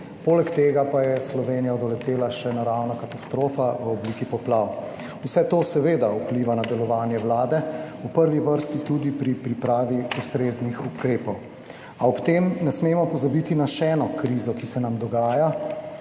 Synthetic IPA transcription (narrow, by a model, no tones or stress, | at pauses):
poːlɛkt̪eːɡapajɛslɔʋeːnijaɔd̪ɔlɛt̪eːlaʃɛnaɾawnakat̪ast̪ɾoːfaʋəɔbliːkipɔplaw | usɛt̪oːsɛʋed̪aupliʋanad̪ɛlɔʋaːnjɛwlaːd̪ɛupəɾʋiʋəɾst̪it̪ud̪ipɾipɾipɾaːʋiust̪ɾeːznixukɾeːpɔw | aɔpt̪emnɛsmemɔpɔzabit̪inaʃɛːnɔkɾiːzɔkisɛnamd̪ɔɡaːja